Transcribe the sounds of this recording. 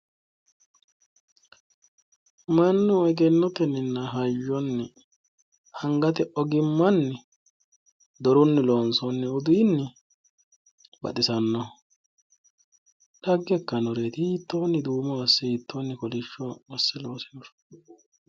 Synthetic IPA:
mɐnːʊɔjɡɛnːɔt̪ɛnːɪnːɐɦɐjːɔnːɪ | hɐŋɡɐt̪ɛʔɔɡɪmːɐnːɪ | d̪ɔɾʊnːɪloːnsɔnːɛʊd̪ʊjɪnːɪ | bɐ̰t̪ʼɪsɐnːɔ | ᶑɐɡːɛkːɐnɔɾeːt̪ɪhiːt̪ʰːo̞ːnːɪd̪uːmɔɐsːɪiːt̪ʰːoːnːɪkɔlɪʃːɔmɔsːɛloːsɛjɔɾ

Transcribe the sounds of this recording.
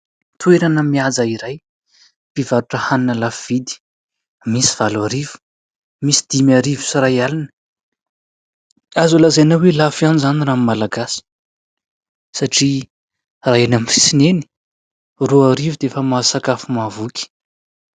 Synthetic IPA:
t̪ueɾanəmiad͡zaiɾaj | pivaɾuʈ͡ʂəhaninəlafv̥id̪i̥ | misi̥v̥alwaɾivu̥ | misi̥d̪̥imjaɾivu̥sirajalinə̥ | azulazenawelafjanizanirammːalaɡasi̥ | saʈ͡ʂi | raenaminfi̥sineni̥ | ruaɾivud̪eefəmasakafumavukʲi̥

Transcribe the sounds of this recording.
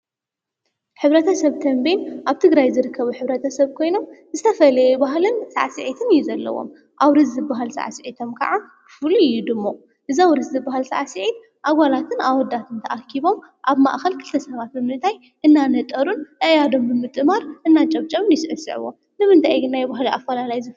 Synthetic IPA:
ħɨβɾɐt̪ʰɐsɐβt̪ʰɐmbenʔaβt̪ʰɨɡɾajzɨɾɨkʰːɐβuħɨβɾɐt̪ʰɐsɐβkʰo̞jno̞mzɨt̪ʰɐfɐlɐjɛbaɦlɨnsa̰ʕsɨʕit̪ʰɨnɨjuzɐlːɐ̰wo̰m | ʔawɾɨzzɨbaɦalsa̰ʕsɨʕit̪ʰo̞mkʰɐ̰ʕa | fulujːud̪ɨmːo | ʔɨzawɾɨszɨbːaɦalsa̰ʕsɨʕit̪̚ | ʔaβalat̪ʰɨnawɔd̪at̪ʰɨnt̪ʰɐʔakʰːiβo̞m | ʔaβmaʔxɐlkʰɨlt̪ʰɐsɐβat̪̚bɨmɨnt̪ʰaj | ʔɨnːanɐt̪ʼɐɾunʔɨʔjad̪o̞mbɨmɨt̪ʼɨmaɾʔɨnːat͡ʃʼɐβt͡ʃʼɐmnjɪsɨʕɨsɨ̰ʕɨ̰wo̰ | nɨmɨnt̪ʰajɡɨnːajbaɦliʔa̰fːɐlalajzɨ

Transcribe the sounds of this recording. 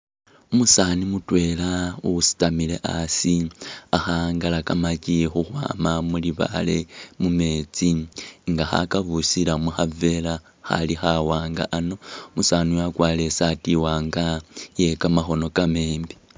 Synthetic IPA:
umusanimutwe̞ːlauusi̥tamile̞̰ʔasiaxaŋɡalakamacixuxwa̰ːmamuliβa̰le̞mume̞ːt͡siŋɡaxa̰kaβusilamuxave̞la | xa̰lixawaːŋɡa̰ʔanomusaniwakwaːle̞satiwaːŋɡaje̞kamaxo̞no̞kame̞ːmbi

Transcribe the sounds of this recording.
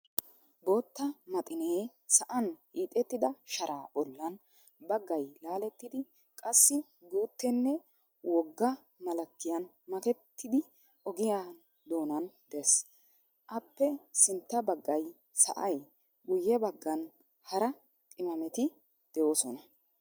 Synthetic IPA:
bo̞ːt̪ːɐmɐt̪ʼɪneː | sɐʔɐnhiːt̪ʼɛt̪ːɪd̪ɐʃɐɾʔaːbɔlːɐn | bɐɡːɐjlaːlɛt̪ːɪd̪ɪ | kʼɐsːɪ | ɡuːt̪ːɛnːɛ | wɔɡːɐ | mɐlɐkːɪjɐn | mɐk̪ɛt̪ːɪd̪ɪ | ʔɔɡɪjaː | d̪o̞ːnɐnd̪̥ɛs | ʔɐpːɛsɪnt̪ːɐbɐɡːɐj | sɐ̰ʔɐj | ɡʊjːɛbɐɡːɐn | hɐɾɐ | tʼɪmɐmɛt̪ɪ | d̪̥ɛʔoːsɔnɐ

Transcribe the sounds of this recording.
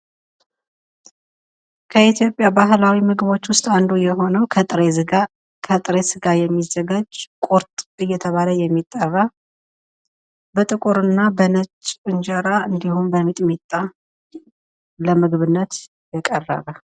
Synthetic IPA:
kʰəit̪ʰjo̞pʼjabaɦlawimɨɡβo̞t͡ʃːwʊst̪ʼand̪ujɛɦo̞nəwkʰʼɾ | kʰət̪ʼɨɾesɨɡajɛmːizːəɡad͡ʒkʼoɾt̪ʼɨjːɛt̪ʰəβaləjɛmːit̪ʼːərːa | bət̪ʼɨkʼuɾɨnːabənət͡ʃʼːɨnd͡ʒəɾaʔɨnd̪ihumbəmit̪ʼmit̪ʼːa | ləmɨɡβɨnːət̪ | jɛkʼərːə̰βə

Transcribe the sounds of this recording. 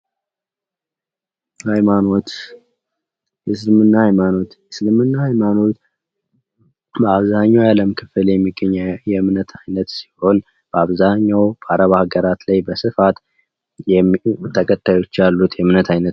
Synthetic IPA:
hajmanot̪ | jɛsɨlɨmɨnːahajmano̞t̪jɛsɨlmɨnːahajmano̞t̪ | bəaβzaɲːawjaləmkʰɨfɨljɛmːiɡːəɲːjɛmnət̪ʰajnət̪si̥ho̞n | b̥əaβzaɲːawbaɾəβahaɡəɾat̪lajbəsɨfat̪ | jt̪ʰəkʼət̪ʰʼːajo̞t͡ʃːjalːut̪jɛmnət̪ʰajnət̪

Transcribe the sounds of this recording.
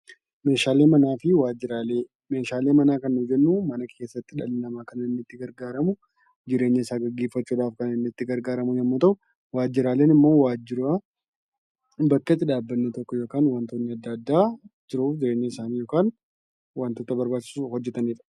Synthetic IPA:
me̞ːʃaːleːmɐnaːfɪwaːd͡ʒɪɾaːle | me̞ːʃaːleːmɐnaːkɐnːʊfd͡ʒɛnːumɐnɐkʰe̞ːsːɐt̪ːɪᶑɐlɪnɐmaːkɐnɐɪnːɪt̪ːɪɡɐɾɡaːɾɐmʊ | d͡ʒɪɾe̞ːɲːɐɪsaːɡɐɡːe̞ːfːɐt͡ʃːuːᶑaːfkɐnɪnːɪɪt̪ːɪɡɐɾɡaːɾɐmʊjɛmːuːt̪ɐʔʊ | waːd͡ʒːɪɾaːle̞ːnɪmːo̞ːwaːd͡ʒːɪɾaː | bɐkːɐt̪ːɪᶑaːbːɐnːɛt̪ɔkːɔjo̞ːkaːnwaːnt̪oːnːɪɐd̪ːɐd̪ːaːd͡ʒɪɾuːfd͡ʒɪɾeːɲːɐɪsaːniːjo̞ːkaːn | waːnt̪oːt̪ɐbɐɾbaːt͡ʃːɪ̥suhɔd͡ʒːɛt̪ɐniːᶑɐ̥

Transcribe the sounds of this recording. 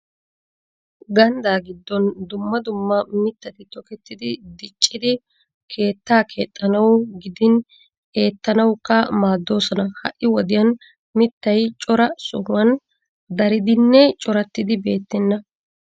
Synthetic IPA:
ɡɐnd̪aːɡɪd̪ːɔnd̪ʊmːɐd̪ʊmːɐmɪt̪ːɐt̪ɪt̪ɔkɛt̪ːɪd̪ɪd̪ɪt͡ʃʼːɪd̪ɪ | kʰe̞ːt̪ːaːkʰe̞ːt̪ʼːɐnɐwʊɡɪd̪ɪn | e̞ːt̪ːɐnɐwkːɐmaːd̪ːo̞ːsɔnɐhɐ̰ʔːɪwɔd̪ɪjɐn | mɪt̪ːɐjt͡ʃʼɔɾɐsʊhʊwɐn | d̪ɐɾɪd̪ɪnːɛt͡ʃʼɔɾɐt̪ːɪd̪ɪbe̞ːt̪ːɛnːɐ

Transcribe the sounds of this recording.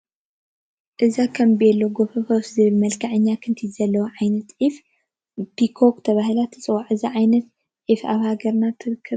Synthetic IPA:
ʔɨzakʰɐmbiɛlːoɡofɨfoszɨβɨlmɐlkʰaʕɨɲːakʰɨnt̪ʰizɐlːɐwoʕajnɐt̪ʔif | pikʰokt̪ʰɐβaɦɨlat̪ʰɨ̥t͡sʼɨwaʕɨziʕajnɐt̪̚ | ʔifaβhaɡɐɾnat̪ʰɨɾɨkʰːɨβ

